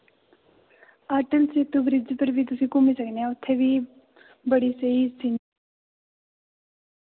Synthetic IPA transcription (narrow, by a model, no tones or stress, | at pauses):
aːʈənset̪ubɾɪd͡ʒpəɾbʱit̪̬usĩkumisəknaut̪ʰːebi | bəɽiseisin